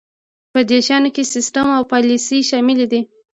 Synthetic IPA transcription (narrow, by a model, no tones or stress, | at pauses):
pəd̪eʃɑnokesɪsʈamawpɑlisiʃɑmɪlid̪i